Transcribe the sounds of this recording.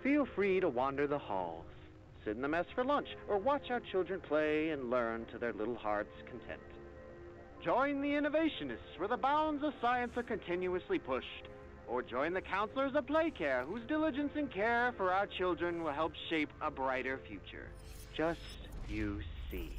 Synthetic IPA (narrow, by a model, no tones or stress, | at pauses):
filˠfɹiɾəwɑ̃ndə˞ðəhɔ̰lˠz̥ | sɪɾn̩ðəmɛsfə˞lʌ̃nt͡ʃə˞wɑt͡ʃaʊə˞t͡ʃʰɪlˠdɹɨ̃npʰl̥eɪɨ̃nlɜ̃˞ntʰɨðə˞lɪɾl̩ˠhɑ̰ɹtskʰn̩tʰɛ̰̃nt | d̥ʒ̥ɔ̃ɪ̃nðiɪ̃nɨveɪʃɨnɨstswə˞ðəbãʊ̃nzʌv̥saɪɨ̃nsə˞kɨ̃ntʰɪ̃njuɨslipʰʊʃt | ə˞d͡ʒɔ̃ɪ̃nðɨkʰãʊ̃nslə˞zəpʰl̥eɪkʰɛɹɦuzdɪlˠəd͡ʒɨ̃nsɨ̃nkʰɛɹfə˞aʊə˞t͡ʃʰɪlˠdɹɨ̃nwəlˠɦɛlˠpʃeɪpəbɹaɪɾə˞fjʉ̰t͡ʃə̰̥˞ | d͡ʒʌstɨsḭ